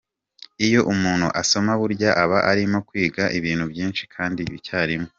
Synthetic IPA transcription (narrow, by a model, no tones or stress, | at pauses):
ijo̞ʔumuːn̥hṵʔaso̞maβuɾɟaʔaβaʔaɾimo̞kwiːɡaʔiβiːn̥hubjiːnʃi̥kʰaːndiicaːɾimo